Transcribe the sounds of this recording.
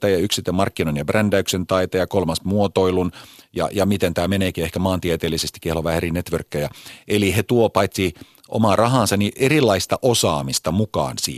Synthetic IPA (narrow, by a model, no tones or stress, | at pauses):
t̪ɑjɑyksit̪ømɑrkːinonjɑbrændæyksent̪ɑit̪ɑjɑkolmɑsmuot̪oilunjɑ̰jɑmit̪ent̪æːmeneːkiehkæmɑːnt̪iet̪eːlːisest̪i̥kehloʋæhæerinet̪ʋørkːøjɑʔelihet̪uopɑit̪sʲi | ʔo̰mɑːrʔɑɦɑːnsɑniʔerilːɑist̪ɑʔosɑːmist̪ɑmukɑ̰ːnsḭː